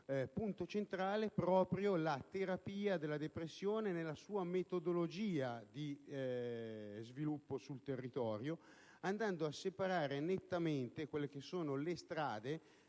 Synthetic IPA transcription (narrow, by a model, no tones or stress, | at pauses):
punt̪ot͡ʃent̪ɾaːlepɾɔːpɾjolat̪eɾapiːad̪elːad̪epɾesːjoːnenelːasuːamet̪od̪olod͡ʒiːad̪i | zvilupːosult̪erːit̪ɔːɾjo | and̪and̪oasːepaɾaːɾenet̪ːament̪ekwelːek̟esːoːnolest̪ɾaːd̪e